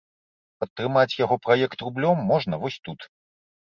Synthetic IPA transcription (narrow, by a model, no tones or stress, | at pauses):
pɐt̪ːɾɨmat͡sʲjaɣɔpɾajɛkt̪rublʲɔmːɔʐnɐvɔsʲt̪ut̪